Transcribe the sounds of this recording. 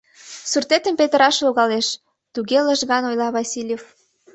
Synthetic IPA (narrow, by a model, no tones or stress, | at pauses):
surt̪et̪ə̆mpet̪əɾɑʃloɣɑleʃ | t̪uɣelə̆ʒɣɑnojlɑβɑsʲilʲjef